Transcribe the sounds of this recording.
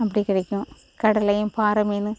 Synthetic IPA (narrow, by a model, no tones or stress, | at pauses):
ɐp̬ːɐɽikːɪɽɐkʲːũ | kɐɽɐlɐjumpaːɾɐmeːnːɨ